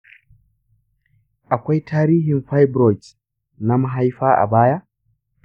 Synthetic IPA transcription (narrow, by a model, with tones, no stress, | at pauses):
ʔa˨kʷa˦jtʰaː˦ɾiː˦hi˨nfa˦jbɾɔ˨jt | na˦maɦa˦jɸaː˦ʔa̰˨baː˦ja˦